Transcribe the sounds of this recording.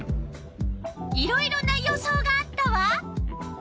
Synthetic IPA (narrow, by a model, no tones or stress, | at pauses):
iɾo̞iɾo̞nːajoso̞ːɡaːt̪ːaβa